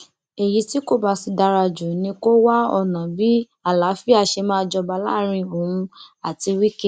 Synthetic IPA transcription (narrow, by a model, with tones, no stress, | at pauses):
e˨ji˨˧˦ti˦ko˦ba˧˨si˧da˧ɾa˧d͡ʒu˨nĩ˧ko˦wa˦ɔ˧˨nã˨bi˦ | a˨la˨˦fi˦a˦˧˨ʃe˧mãː˦˧d͡ʒɔ˧ba˧˨la˦˨ɾ̃ĩ˧o˨ũ˧a˨ti˧wi˦ke˦